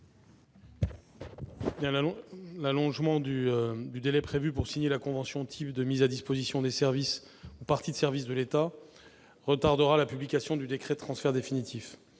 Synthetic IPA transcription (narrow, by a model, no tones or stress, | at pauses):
bjɛ̃llalɔ̃ʒmɑ̃d̪yd̪yd̪elɛpχevypuʁsiɲelakɔ̃vɑ̃sjɔ̃t̪ʰipd̪əmizad̪ispozisjɔ̃d̪esɛʁvis | upaʁt̪id̪əsɛʁvis̬d̪əlet̪a | ʁət̪aʁd̪əʁalapyblikʲasjɔ̃d̪yd̪ekχɛd̚t̪χɑ̃sfɛʁd̪efinit̪ʰif